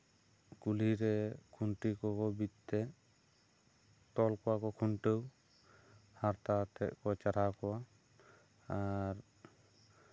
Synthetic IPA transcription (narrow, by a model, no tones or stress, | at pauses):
kuliɾɛkʰunʈikɔkɔbit̪t̪ɛ | t̪ɔlkɔwakɔkʰunʈəw | haɾt̪at̪ɛʔ̚kɔt͡ʃaɾakɔwa | aɾ